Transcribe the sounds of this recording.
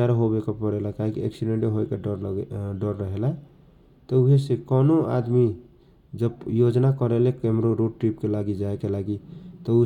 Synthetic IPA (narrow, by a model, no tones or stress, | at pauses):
aɾɦobekapəɾelakaɦikieksiɖeɳʈeɦoekaɾɖəɾːəɦela | t̪ɔuɦesekɔnoa̰d̪mi | d͡ʒəbjod͡ʒnakəɾelekemɾoɾoɖ̚ʈɾipkelaɡid͡ʒaekelaɡit̪ɔu